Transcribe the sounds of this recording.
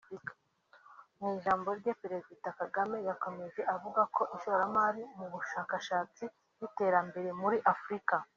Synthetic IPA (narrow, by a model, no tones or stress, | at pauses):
mŋiːʒaːmbo̞ɾɟepeɾe̞zdidakaɡame̞jako̞me̞ze̞ʔavuɡako̞ʔiʃoɾamaɾimuβuʃaːkaʃaːt͡si | jite̞ːɾambe̞ɾe̞muɾiʔafɾika